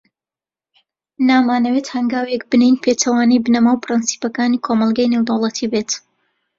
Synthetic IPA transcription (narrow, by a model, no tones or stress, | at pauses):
naːmaːnɐwet̪hɐŋɡaːwjɛk̚bɨnejnpʰeːt̪ʰɐwaːnɛjbɨnɐmaːwpʰɾɨnsi̥pɐkaːnikʰomɐlˠɡaːjnewd̪ɐwlˠɐt̪ʰibeːt̪